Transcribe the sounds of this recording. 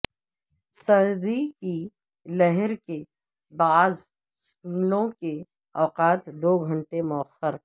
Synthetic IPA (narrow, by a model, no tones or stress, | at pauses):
sɐɾd̪iki | lɛɦɛɾke | baːz | skunlõke | ɔːqaːt̪d̪oːɡʱɐ̃ɳʈemʊəxəɾ